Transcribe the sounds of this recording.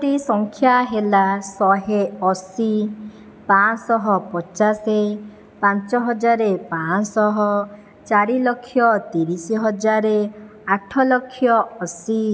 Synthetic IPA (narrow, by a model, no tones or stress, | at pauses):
ɾisɔŋkʰjaɦelasɔɦeɔsi | pasɔɦɔpɔt͡ʃase | pãnt͡ʃɔɦɔd͡ʒaɾepãsɔɦɔ | t͡ʃaɾilɔkʰːjɔt̪iɾisiɦɔd͡ʒaɾe | aʈʰɔlɔkʰːjɔɔsi